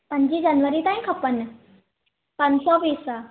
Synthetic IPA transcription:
pəɲt͡ɕid͡ʑanʋəɾiːt̪ãj̃kʰəpənːə | pansɔʋiːsa

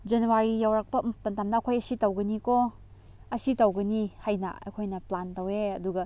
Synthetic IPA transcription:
d͡ʒenuwaɾijawɾak̚pɐmpɐntamnɐːkʰojɐsitɐwɡɐniko | ɐsitɐwɡɐnihajnɐ̰ɐ̰jkʰojnɐplantɐweɐduɡɐ

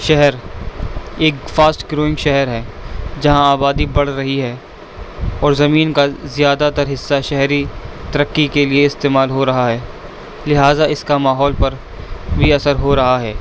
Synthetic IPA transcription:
ʃɛɦɛɾ | eːkfaːsʈɡɾoːɪ̃ŋɡʃɛɦɛɾɦɛːd͡ʒɐɦãaːbaːd̪ibɐɽ̤ɾɐɦiɦɛː | ɔːɾzɐmiːnkazɪjaːd̪at̪ɐɾɦɪsːaʃɛɦɾit̪ɐɾəkːikelieɪst̪eːmaːlɦoɾɐɦaɦɛː | lɪɦaːzaɪskamaːɦɔːlpɐɾ | bʱiɐsəɾɦoɾɐɦaɦɛː

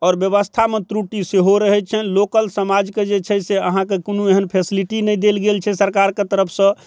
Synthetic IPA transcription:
ɔːɾbjəβəst̪ʰamet̪ɾuʈiseɦoɾəɦɛt͡ʃʰɛlokəlsəmad͡ʒked͡ʒet͡ʃʰɛseəɦãkekonueɦənpʰesiliʈinɛjd̪elɡelt͡ʃʰɛsəɾkaɾket̪əɾəpʰsə̃

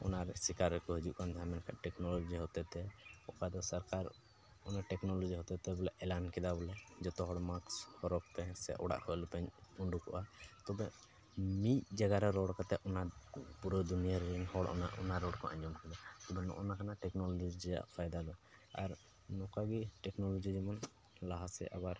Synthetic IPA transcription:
ɔ̰naɾsikaɾːɛkɔɦud͡ʒuʔkand̪ʱamɛnkʰa̰ʔʈɛknɔlɔd͡ʒiɦɔt̪ɛt̪ɛɔkad̪ɔsaɾkaɾ | ɔnaʈɛknɔlɔd͡ʒiɦɔt̪ɛt̪ɛbɔlaʔʔɛlankɛd̪abɔlad͡ʒɔt̪ɔɦɔɽmakshɔɾɔkt̪ɛsɛ̰ʔɔɽa̰ʔhɔlɛpɛɲuɳɖukɔ̰ʔat̪ɔbɛ | mit̚d͡ʒaɡaɾɔɾɔɽkat̪ɛɔnapuɾɔd̪unijaɾɾɛnhɔɽna̰ʔɔ̰naɾɔɽkɔʔã̰ɲɔmkɛd̪at̪ɔbɛnɔ̰ʔɔ̰nakanaʈɛknɔlɔd͡ʒid͡ʒid͡ʒɛja̰ʔpʰajd̪ad̪ɔa̰ɾ | nɔkaɡiʈɛknɔlɔd͡ʒid͡ʒɛmɔn | laɦasɛ̰ʔa̰baɾ

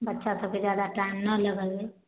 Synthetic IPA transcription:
bətːʃʰasəb̚kezd͡ʒjaːd̪aʈaɪmnələɡəlɡe

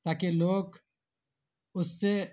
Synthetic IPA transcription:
t̪aːkeloːɡ | ʊsːe

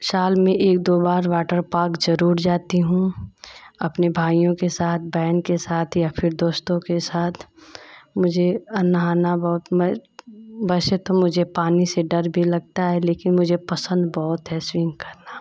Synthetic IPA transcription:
saːlmẽʔeːk̚d̪oːbaːɾʋaːʈəɾpaːkzɐɾuːɾd͡ʒaːt̪iɦũ | ɐpnebʱaːijõkesaːt̪̚ʰbɛːnkesaːt̪ʰjapʰɪɾd̪oːst̪õkesaːt̪ʰ | mʊd͡ʒʱeɐnaɦaːnabɔːʊt̪mɛ̃ː | bɛːset̪omʊd͡ʒʱepaːniseɖɐɾbʱilɐɡ̚t̪aɦɛleːkɪnmʊd͡ʒʱepɐsə̃nd̪bɔɦʊt̪ɦɛswɪ̃ŋɡkɐɾnaː

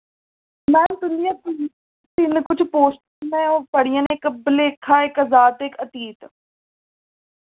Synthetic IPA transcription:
mɛnd̪ʊnijãːt̪ | t̪ɪnkʊt͡ʃʰpoːsʈ | mɛ̃ɔːpəɽijãːnekbɪleːkʰaːekəzaːt̪ekət̪iːt̪

